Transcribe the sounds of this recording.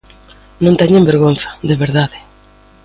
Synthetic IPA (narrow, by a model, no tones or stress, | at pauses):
nõnt̪eɲembeɾɣon̟θḁðeβeɾðaðe